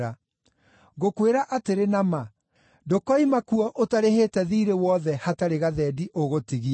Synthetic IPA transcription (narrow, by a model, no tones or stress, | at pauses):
a | ɣokweɾaʔateɾenama | dokɔimakuɔʔotaɾeheːtɛðiɾewɔðɛhataɾeɣaðɛːdiʔoɣotiɣi